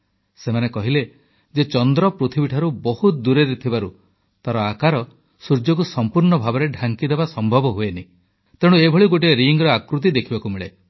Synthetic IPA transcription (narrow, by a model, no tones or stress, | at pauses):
semanekɔɦile | d͡ʒet͡ʃɔnd̪ɾɔpɾut̪ʰibiʈʰaɾubɔɦut̪̚d̪uɾeɾit̪ʰibaɾu | t̪aɾɔakaɾɔ | suɾd͡ʒɔkusɔmpuɾɳɔbʱabɔɾeɖʱaŋkid̪ebasɔmbʱɔbɔɦueni | t̪eɽ̃uebʱɔɭiɡoʈ̬iɾiŋɡɾɔakɾut̪̬id̪ekʰibakumiɭe